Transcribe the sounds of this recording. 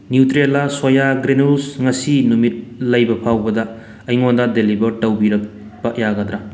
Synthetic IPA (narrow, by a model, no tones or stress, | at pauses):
njutɾelaswojaɡɾenusŋɐsinumit̚lɐjbɐpʰawbɐdɐː | jŋondɐdelibɐɾtɐwbiɾɐk | pɐjaɡɐdɾa